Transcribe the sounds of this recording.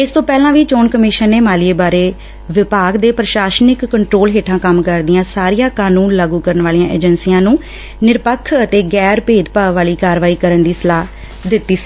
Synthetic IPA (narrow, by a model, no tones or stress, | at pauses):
ɪst̪õːpɛːlãːʋiːt͡ʃoːnkəmɪʃənːeːmaːlɪeːbaːɾeː | ʋɪpaːɡd̪eːpɾəʃaːʃnɪkːəɳʈɾoːlɦeːʈʰãːkəmkəɾd̪ɪjãːsaːɾijãːkaːnuːnlaːɡuːkəɾənʋaːlijãːʔḛːd͡ʒənsiːjãːnũː | nɪɾpəkʰːət̪eːɡɛːɾpeːd̪paːʋaːliːkaːɾʋaːiːkəɾənd̪iːsəlaː | d̪ɪt̪ːiːsi̥ː